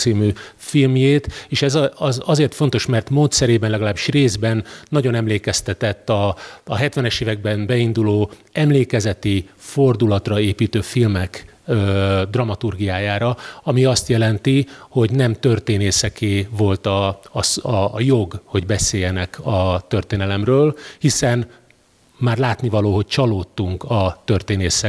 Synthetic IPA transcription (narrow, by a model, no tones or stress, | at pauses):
siːmyː | filmjeːt̪eːʃɛzɒzɒzeːrt̪fo̞n̪t̪o̞ʃmɛrt̪moːt̪sɛɾeːbɛnlɛɡɒlaːbiʃreːzbɛnːɒɟo̞nɛmleːkɛst̪ɛt̪ɛt̪ːɒːɦɛt̪ʋɛnɛʃeːvɛɡ̚bɛnbɛind̪uloː | ɛmleːkɛzɛt̪ifo̞rd̪ulɒt̪rɒeːpiːt̪øːfilmɛk | øːd̪rɒmɒt̪urɡijaːjaːɾɒɒmiɒst̪jɛlɛnt̪iho̞ɟnɛmt̪ø̞rt̪eːneːsɛkeːvo̞lt̪ɒsːjo̞ɡho̞ɟbɛseːjɛnɛkɒt̪ø̞rt̪eːnɛlɛmrøːlhisɛn | maːrlaːt̪nivɒloːɦo̞c̚t͡ʃɒloːt̪ːuŋkɒt̪ø̞rt̪eːneːsɛ